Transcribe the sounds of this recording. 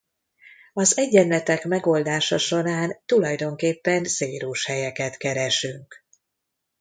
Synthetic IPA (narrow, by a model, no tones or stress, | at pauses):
ɒzɛɟːɛnlɛt̪ɛkmɛɡo̞ld̪aːʃɒʃo̞ɾaːnt̪ulɒjd̪o̞ŋkeːpːɛnseːɾuːʃhɛjɛkɛt̪kɛɾɛʃyŋk